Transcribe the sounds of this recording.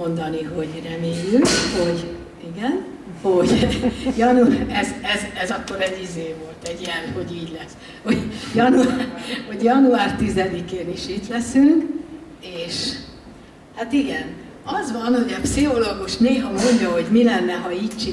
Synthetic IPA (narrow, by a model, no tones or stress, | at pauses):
o̞nd̪ɒniɦo̞ɟrɛmeːjykho̞ɟ | iɡɛn | ho̞ɟjɒnuɛzɛzɛzɒkːo̞ɾɛɟːizeːvo̞lt̪ɛɟiɛlho̞ɟiːɟlɛs | ho̞ɟjɒnuarho̞ɟjɒnuaːrt̪izɛd̪ikeːniʃit̪lɛsyŋk | eːʃ | hat̪iɡɛn | ɒzʋɒnho̞ɟɛpsiɦo̞loɡuʃneːɦɒmo̞ɲɟɒɦo̞ɟmilɛnːɛɦɒiːct͡ʃi